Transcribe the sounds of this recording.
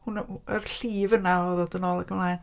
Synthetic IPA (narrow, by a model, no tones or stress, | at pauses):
hʊnə̰rɬiːvənaɔðoːdənoːlˠəɡəmlˠaːjn